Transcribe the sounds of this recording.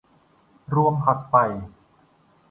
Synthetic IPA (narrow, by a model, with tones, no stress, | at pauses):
ɾu˧əmhʰa˨˩t̪̚pa˨˩j